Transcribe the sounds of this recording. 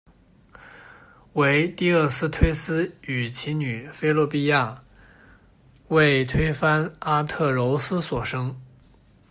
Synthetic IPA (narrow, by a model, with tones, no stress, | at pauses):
we˧˥ɪt̪i˥˧ə˥˩sɹ̩˥˧t̪ʰwe˥ɪsɹ̩˥y˨˩t͡ɕʰi˧˥ny˨˩fe˥ɪlɔ˥˧pi˥˧ja˥˩ | we˥˩ɪt̪ʰwe˥ɪfa˥na˥t̪ʰɤ˥˩ɻo˧˥ʊsɹ̩˥swɔ˨˩ʂɤ˥ŋ